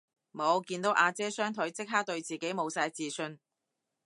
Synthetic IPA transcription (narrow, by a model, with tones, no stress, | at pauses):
mo˨˧wkiː˧nt̪o˨˥wʔaː˧t͡sɛː˥sœː˥ŋt̪ʰɵ˨˥ɥt͡sɪ˥k̚ɦaː˥t̪ɵ˧ɥt͡siː˨ke˨˥jmo˨˧wsaː˧jt͡siː˨˩sɵ˧n